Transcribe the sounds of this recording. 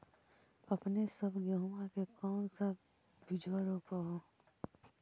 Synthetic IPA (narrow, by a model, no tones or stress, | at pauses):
ɐpnesɐbɡɐɦuakekɔːnsab̚ | bid͡ʒʋaɾopəɦo